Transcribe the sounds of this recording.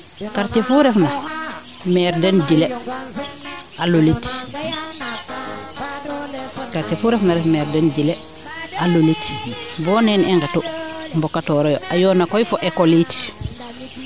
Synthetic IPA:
kaɾt͡ʃɛfuɾɛfna | mɛɾdɛnd͡ʒilɛ | ʔalolit | kaɾt͡ʃɛfuɾɛfnaɾɛfmɛɾdɛnd͡ʒilɛ | ʔalulitbɔːnɛnɛŋɡɛtumbɔkːatɔːɾɔjɔʔajɔːnakɔjfɔʔɛkɔlit

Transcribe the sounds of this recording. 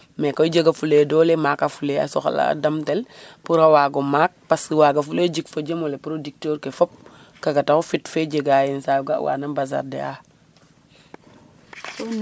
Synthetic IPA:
mekojɟəɡafuleːdɔlemakafulea̰sɔxa̰la̰damtelpuɾawaːɡomaːk̚paswaɡafuleɟikfoɟəmolepuɾodik̚toɾkefop̚ | kaɡataxufitfeɟeɡajinsajɡa̰wʔa̰ːnabaz̬a̰ɾdḛa

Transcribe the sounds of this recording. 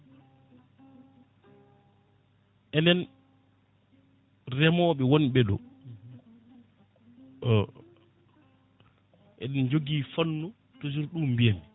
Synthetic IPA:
ʔɛnɛn | rɛmɔːɓɛwonɓɛɗɔ̰ | ʔɛ̰ɗɛnd͡ʒoɡiːfanːu | tosuɾɗumbijami

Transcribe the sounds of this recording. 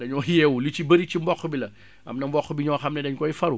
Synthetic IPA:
dɐɲɔːjɛːwulut͡ʃibɐɾit͡ʃimbɔxubilɐ | ɐ̰mnɐmbɔxːubiɲɔxɐmnɛdɐɲkɔifɐɾu

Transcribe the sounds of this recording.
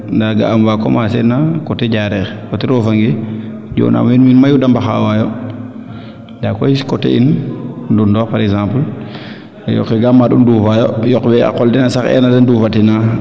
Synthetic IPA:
ndaɡa̰amwakɔ̰masɛnːakɔtɛɟaɾɛxkɔtiɾɔfaŋɡi | ɟɔ̰ːnʔa̰minminmajudambaxawajɔ | ndakɔjiskɔtɛ̰inndundɔpaɾɛɡsãmpəl | jɔ̰kɛɡamːaɗṵndufajɔjɔkwɛa̰kɔldinasaxɛ̰ːnadɛndufatina

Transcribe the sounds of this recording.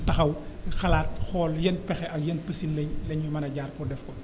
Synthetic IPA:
tɐxɐwxɐlaːt̚xɔːljɛnpɛxɛʔɐkjɛnpəsinlɛɲlɛɲːumɐnɐɟaːrkɔdɛfkɔ

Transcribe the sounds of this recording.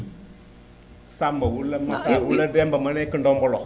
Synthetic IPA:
saməwuləmasawulədɛmbəmənɛkəndɔmbɔlɔ

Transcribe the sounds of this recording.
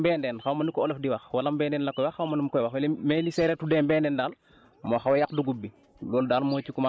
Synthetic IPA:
bɛːndɛːnxawmɐnikɔolefdiwaxwalambɛːndɛːnlakɔjwaxːawmɐnimkɔjwaxwɐlmɛlisɛɾɛtudeːmbɛndɛndaːl | moxawajakduɡubːi | ɡɔːldaːlmoːcikuma

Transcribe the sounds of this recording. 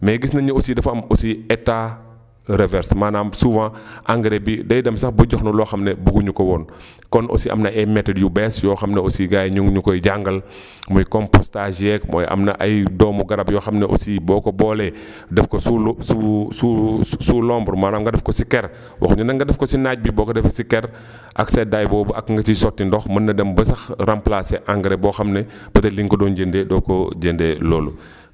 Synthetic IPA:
mɛɡisnɐɲuosidɐfɐmɔsiɛta | ɾɛvɛɾsmaːnaːmsuvãʔaŋɡɾɛbidɐjdɐmsɐxbɔɟɔxnɔlɔxɐmnɛbuɡuɲukɔwɔn | kɔnʔɔ̰siʔɐ̰mnɐɛmɛtːɐdjubɛsjɔːxɐmnɛosiɡaːjɲuŋɲukɔjɟaŋɡɐl | mujkɔmpɔstaʒɛkmɔ̰ːjʔɐ̰mnɐ̰ʔɐjdɔːmuɡɐɾɐbjɔːxɐmnɛʔo̰sibɔːkɔbɔːlɛ | dɛfkosusususulɔːmbəɾmaːnɐŋɡɐdɐfkɔsikɛɾ | wʔɐ̰xɲunɐŋɡɐdɐfkɔsinaɟ̚bibɔːkɔdɛfkɐsikɛɾ | ʔɐ̰ksɛdaːjbɔːbɐkŋɡɐt͡ʃisɔtːindɔxmɐnːɐdɐmbɐsɐxɾamplasɛʔaŋɡɾɛbɔxɐmnɛ | b̥ɐtɐliŋkɔdɔnɟəndedɔkɔɟendɛloːlṵ

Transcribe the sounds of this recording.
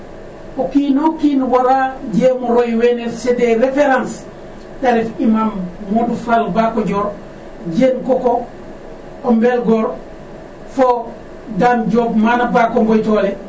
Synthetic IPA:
okiːnokiːnwaɾaɟeːmoɾojwenelsedeɾefeɾãns | taɾefimamːodufalbakoɟoːɾ | ɟeːnkoko | ombelɡoːɾ | fo | danɟoːbmanabaːkombojtoːle

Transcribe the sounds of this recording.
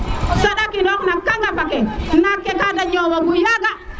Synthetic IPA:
saɗakindɔknakaŋɡabakɛnakːekadaɲowoɡujaɡa

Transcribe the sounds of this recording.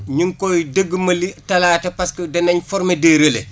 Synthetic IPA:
ɲiŋkɔjdəɡːmɐlitɐlaːtɐpaskədɐnɐɲfɔɾmedeːɾele

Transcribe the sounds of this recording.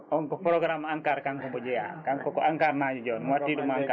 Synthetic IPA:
ɔŋkɔpɾɔɡɾamaŋkarkaŋkɔmbɔd͡ʒea̰kaŋkɔkɔaŋkarnad͡ʒd͡ʒɔnmwatidumaaŋka

